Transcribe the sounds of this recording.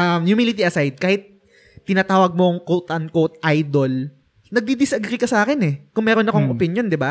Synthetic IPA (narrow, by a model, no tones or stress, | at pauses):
ʔɐmjʊmilɪt̪iʔɐsajd̪̚kaːhɪt̪̚ː | ɪnaːt̪aːwɐɡ̚moŋkot̪ʔɐnkot̪̚ʔajd̪o̞l | nɐɡ̚d̪id̪ɪsɐɡɾikɐsaːkɪnɛkʊŋmɛːɾo̞nɐko̞ŋʔopɪnjo̞nd̪ɪba